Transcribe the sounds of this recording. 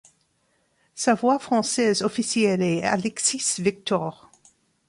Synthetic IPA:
savwafχɑ̃sɛzɔfisjɛlɛa̰lɛksisvik̚t̪ɔːʁ

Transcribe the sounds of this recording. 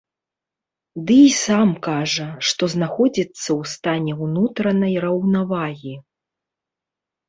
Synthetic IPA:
d̪ɨisamkaʐɐʂt̪ɔznaxɔd͡zʲit̪sːɐwst̪anʲɛwnut̪ɾɐnɐjrɐwnavaɣʲi

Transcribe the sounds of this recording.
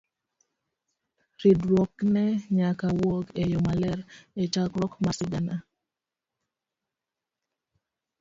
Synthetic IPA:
ɾidɾwɔknɛɲakawokejomalɛɾet͡ʃakɾɔkmasɪɡana

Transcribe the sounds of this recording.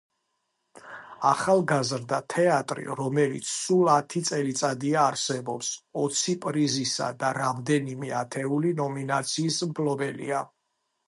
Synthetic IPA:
aχalˠɡazɾd̪at̪ʰɛat̪ʼɾḭɾɔmɛlḭt̪sʰsulˠat̪ʰit̪sʼɛlit̪sʼad̪iaːɾsɛbɔpsɔt̪sʰipʼɾizisa̰d̪aɾamd̪ɛnimɛat̪ʰɛulinɔminat̪sʰiːsmpʰlɔbɛlḭa

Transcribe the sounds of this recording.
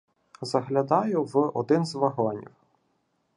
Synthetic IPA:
zɐɦlʲɐd̪ɑjʊʋɔd̪ɪnzʋɐɦɔnʲḭw

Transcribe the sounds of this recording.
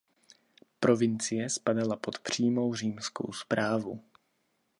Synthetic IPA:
pɾo̞vɪnt͡sɪjɛspadalapo̞t̪pr̝̥iːmo̞wriːmsko̞̰wspɾaːvṵ

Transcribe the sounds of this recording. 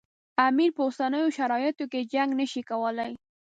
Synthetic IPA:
amiɾpəosanəjoʃaɾɑjɪt̪oked͡ʒaŋɡnaʃikawəlaj

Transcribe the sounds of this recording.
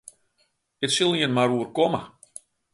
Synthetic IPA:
ɪtsilˠiənmaɾuərkomə̰

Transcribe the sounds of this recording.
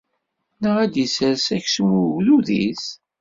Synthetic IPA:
nəʁæd̪jisəɾsæçswðuðḭs

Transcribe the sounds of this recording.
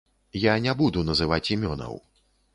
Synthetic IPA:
janʲɛbud̪unɐzɨvat͡sʲimʲɔnɐ̰w

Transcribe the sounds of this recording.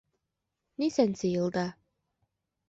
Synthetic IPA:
nisænsɘjɤ̆lˠd̪ɑ

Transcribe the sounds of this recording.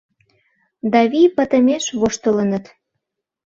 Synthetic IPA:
d̪ɑβipə̆t̪ə̆meʃβoʃt̪ələnət̪

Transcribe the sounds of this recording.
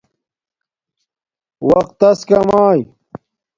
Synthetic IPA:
wɐq̚t̪ːɐskɐmaːj

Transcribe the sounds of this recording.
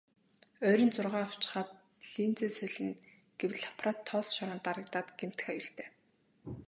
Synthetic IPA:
œːɾʲɞ̆nt͡sʊrʁaːɔw̥t͡ɕɪ̥̆χaːt̪̚ | ɮiːnt͡seːsœɮɘ̆n | ɡ̥ewɮḁpʰrɔt̪ʰːɔsʃɔɾɞ̆nt̪aɾə̆k̚t̪aːt̪ɡ̥em̥t̪ɘ̥̆xajuɬt̪ʰeː

